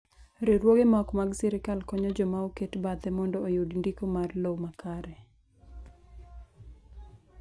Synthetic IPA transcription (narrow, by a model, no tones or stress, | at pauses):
ɾeɾwoɡemɔkmaɡsɛɾɪkalkɔɲɔd͡ʒɔmaoketbat̪ɛmɔndɔojudndikomarlowmakʰaɾɛ